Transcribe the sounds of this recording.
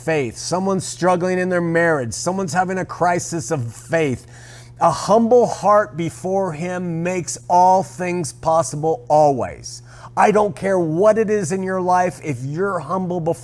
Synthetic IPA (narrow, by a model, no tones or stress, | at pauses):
feɪθsʌ̃mwʌ̃nz̥stɹ̥ʌɡl̩ˠɪ̃ŋɨ̃nðə˞mɛɹɪd̥ʒ̥sʌ̃mwʌ̃nz̥hævɪ̃ŋɨkʰɹ̥aɪsɨsʌv̥feɪθ | əhʌ̃mbl̩ˠhɑɹt̚b̥ɨfɔɹɪ̃mːeɪksɔlˠθɪ̃ŋz̥pʰɑsəbl̩ˠɔlˠwḭɪz̥ | ʔaɪɾõʊ̃nkʰɛɹwʌɾɨɾɪzɨ̃njə˞laɪfɪfjə˞hʌ̃mbl̩ˠbəf